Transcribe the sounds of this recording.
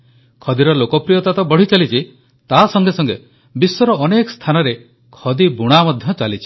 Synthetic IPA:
kʰɔd̪iɾɔlokɔpɾijɔt̪at̪ɔbɔɽit͡ʃalit͡ʃʰi | t̪asɔŋɡesɔŋɡḛ | bisːɔɾɔːnekɔ̥st̪ʰanɔɾe | kʰɔd̪ibuɽ̃amɔd̪ʱjɔt͡ʃalit͡ʃʰi̥

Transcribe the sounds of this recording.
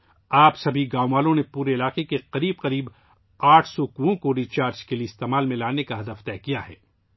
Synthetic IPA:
aːpsɐbʱiɡãːʋaːlõnepuːɾeɪlaːqekeqɐɾiːb̚qɐɾiːb | aːʈʰsɔkuõkoɾiːt͡ʃaːɾd͡ʒkelieɪst̪eːmaːlmẽlaːnekaɦɐd̪əft̪ɛːkijaɦɛ̰ː

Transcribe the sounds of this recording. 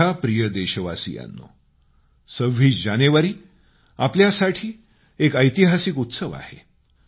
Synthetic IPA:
apɾijəd̪eɕəʋasḭja̰nːo̰ | səʋːiːd͡ʑaneʋaɾiː | apljasaʈʰiː | ekəjt̪iɦasikut̪səʋa̰hḛ

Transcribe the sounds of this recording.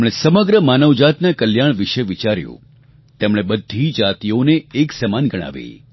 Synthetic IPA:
mɽ̃esəməɡɾəmanəʋd͡ʒat̪nakəljaɳ̃ʋiʃeʋit͡ʃaɾjṵ̃ | t̪emɽ̃ebəd̪ʱːid͡ʒat̪ijoneːksɛmanɡəɽ̃a̰ʋḛ

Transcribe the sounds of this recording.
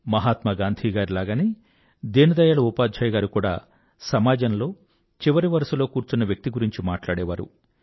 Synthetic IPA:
mɐɦaːt̪mɐɡaːnd̪ʱiːɡaːɾilaːɡani | d̪eːnɐd̪ɐjaːɭɐupaːd̪d͡ʒɐːjɐɡaːɾukuːɽa̰ː | sɐmaːd͡ʒɐnlo̞ː | t͡ʃiʋɐɾiʋɐɾɐsulo̞ːkuːɾt͡ʃunːɐʋjɐk̚t̪iɡuɾiɲt͡ʃimaːʈlaːɽɛːʋaːɾṵ

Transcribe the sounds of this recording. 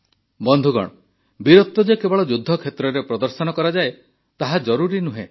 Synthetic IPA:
bɔnd̪ʱuɡɔ̰ɽ̃ɔ | biɾɔt̪ːɔd͡ʒekebɔɭɔd͡ʒud̪ʱːɔkʰet̪ɾɔɾepɾɔd̪ɔɾsɔnɔkɔɾad͡ʒae | t̪aɦad͡ʒɔɾuɾinuɦḛ̃

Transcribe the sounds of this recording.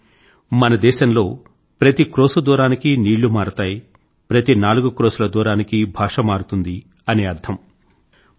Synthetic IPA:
mɐnɐd̪ɛːʃɐmlo̞ː | pɾɐt̪ikɾoːsɐd̪uːɾaːnikiniːɭːumaːɾut̪aːji | pɾɐt̪inaːluɡukɾoːsulɐd̪uːɾaːnikibʱaːʂɐmaːɾut̪und̪i | ɐne̞ːɐɾt̪ʰɐm

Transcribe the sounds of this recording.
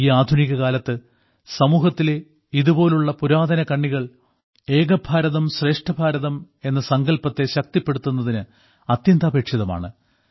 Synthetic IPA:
iːaːd̪ʱuniɣɐkaːlɐt̪ːɨ | sɐmuːɦɐt̪ːile | iðubo̞ːluɭːɐpuɾaːd̪ɐnɐkɐɳːiɣɐɭ | e̞ːɡɐbʱaːɾɐðɐmɕre̞ːʂʈʰɐbʱaːɾɐðɐm | e̞nːɐsɐŋɡɐlpɐt̪ːe̞ɕɐk̚t̪ipːe̞ɽut̪ːunːɐðinɨ | ɐt̪jɐnd̪ʱaːbe̞ːkʂjɐðɐma̰ːɳɨ

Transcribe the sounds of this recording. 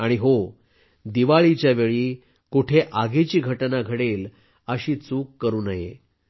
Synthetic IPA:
aɽ̃iɦo | d̪iʋaɭit͡ɕjaʋeɭiː | kuʈʰeʔaɡʱet͡ɕiːɡʱəʈnaɡʱəɽel | əɕiːt͡suːkːəɾuːnaɦḛ

